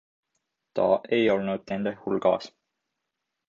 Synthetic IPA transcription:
t̪ɑ̰ʔe̞jo̞lnud̪̥̚ne̞nd̪̥ehulɡ̥ɑ̰ːs

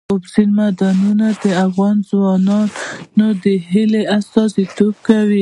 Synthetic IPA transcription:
ʊbzilmad̪ɑnunad̪əafɣɑnzwɑnɑnnod̪əɦɪleasɑzit̪ob̚kawi

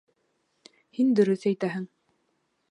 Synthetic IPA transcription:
hind̪ɵ̆ɾɵθæjt̪æɦɘŋ

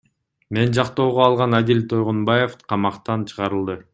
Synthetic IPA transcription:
me̞nd͡ʒɑqt̪o̞ːʁoɑlˠʁɑnad̪ʲilʲt̪ʰo̞jʁunbɑjefqʰɑmɑqt̪ɑnt͡ʃʰɯ̥ʁɑɾɯlˠd̪ɯ

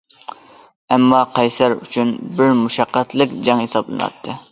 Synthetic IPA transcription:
ɛmːɑqʰɑjsæɾy̰t͡ʃʰynbɪɾmuʃæqːæt̪lˠɪkʲd͡ʒɑŋhesɑblˠɨ̰nɑ̰t̪ʰːɨ

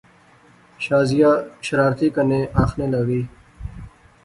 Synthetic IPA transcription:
ɕaːzijaɕɐɾaːɾt̪ikɐneʔaːxneːlawiː

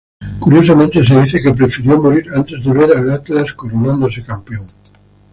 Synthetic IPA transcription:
kuɾjosamẽnt̪es̬eð̞iθekep̬ɾefiɾiomoɾiɾant̪e̞zðeβeɾalat̪laskoɾonãnd̪os̬ekampeoŋ

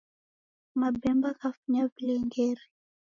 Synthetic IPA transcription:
mabɛmbakafuɲapilɛŋɡɛɾi

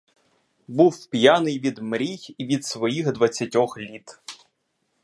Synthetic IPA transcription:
buwpʲjanɪjʋʲid̪mɾʲijiʋʲid̪sʋɔjixd̪ʋɐt͡sʲːɐtʲɔxlʲit̪

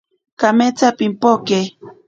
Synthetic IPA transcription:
kamet͡sapimpoke

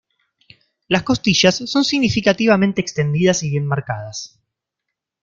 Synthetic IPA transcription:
lasko̞st̪iʃasːo̞nsiɣnifikat̪iβamẽnt̪eːkst̪e̞nd̪iðasiβjenmaɾkað̞as

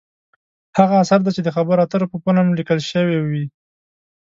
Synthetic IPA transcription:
haɣaːsaɾd̪at͡ʃed̪əxabəɾat̪əɾopəpanamlikəlʃəwewi

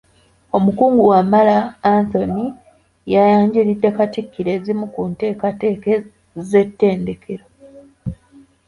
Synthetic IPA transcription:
o̞mukuːŋɡuwamːalaːnt̪o̞ni | jajaːɲɟiɾidːe̞katikːiɾe̞ːzimukunte̞ːkateːke | ze̞tːe̞ːnde̞kʰe̞ɾo

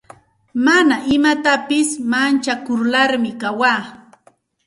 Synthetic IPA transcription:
manaʔɪmat̪apɪsmant͡ʃakʊɾlaɾmɪkawaː

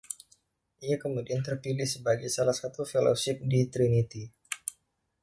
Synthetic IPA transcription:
ʔiakəmudiant̪ərpilɪhsəbaɡajsalahsat̪ufelo̰sɪp̚dit̪ɾinit̪i

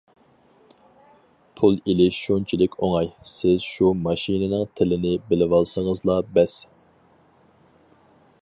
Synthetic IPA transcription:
pʰulˠilɪʃʃont͡ʃʰilɪkʲʰoŋɑjsɪzʃumɑʃinɪnɨŋt̪ʰɪlɪnɪbɪlɪwɑlˠsəŋəzlˠɑbɛs

